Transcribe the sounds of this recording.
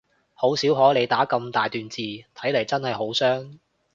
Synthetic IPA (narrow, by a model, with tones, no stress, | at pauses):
ho˨˥wsiː˨˥wɦɔː˨˥jle˨˧jt̪aː˨˥kɐ˧mt̪aː˨jt̪yː˨nt͡siː˨˧t̪ʰɐ˨˥jle˨˩jt͡sɐ˥nhɐ˨˩jɦo˨˥wsœː˥ŋ